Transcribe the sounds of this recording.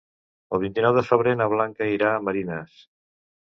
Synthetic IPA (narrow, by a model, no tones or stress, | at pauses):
əlˠβint̪inɔwðəfəβɾenəβ̞laŋkəiɾaːməɾinəs